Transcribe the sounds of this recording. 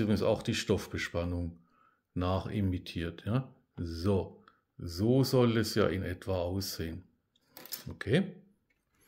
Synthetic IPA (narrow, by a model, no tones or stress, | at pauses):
ybʁɪɡŋsa̰ʊxd̥iːʃtɔfb̥əʃpanʊŋ | naːχɪ̰mitʰiːɐtʰjaː | zoː | zoːzɔlɛsja̰ːʔɪnʔɛtv̥aaʊsz̥eːən | ʔokʰeː